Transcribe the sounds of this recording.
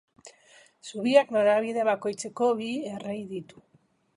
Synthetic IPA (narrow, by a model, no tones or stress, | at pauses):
suβiaknoɾaβ̞ið̞e̞βako̞jt͡se̞ko̞βierejðit̪u̥